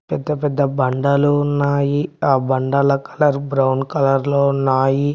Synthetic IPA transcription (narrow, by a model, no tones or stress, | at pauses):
pɛd̪ːɐpɛd̪ːɐbɐɳɖalunnːaːjiaːbɐɳɖɐlɐkɐ̥lɐɾbɾɐwnkɐlɐɾloːnaːji